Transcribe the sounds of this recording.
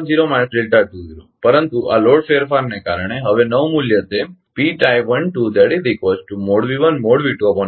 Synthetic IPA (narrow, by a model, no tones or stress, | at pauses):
d͡ʒiɾomansɖelʈaɖ̚t̪ũd͡ʒiɾṵ̃pəɾənt̪uʔa̰loɽfeɾfaɾnekaɾəɳ̃eɦəʋenəʋmuljət̪e | piʈajʋənʈud̪ɛɽid̪ikʋot͡ʃʈumoɽʋiʋənmoɽʋiʈuəbon